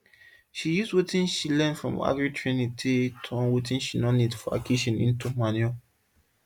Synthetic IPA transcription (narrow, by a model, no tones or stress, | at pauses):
ʃijuswetĩnʃilɛ̃nfɹɔ̰̃ma̰ɡɹitʰɹĩnitʰitʰuɔ̃nwetʰĩnʃinɔnidfɔa̰kʰiʃɔ̃nḭ̃ntumanjɔ